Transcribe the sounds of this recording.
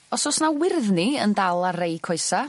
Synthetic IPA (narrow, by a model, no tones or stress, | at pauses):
ɔsɔsnawɪrðniəndalˠarejkʰɔɨsa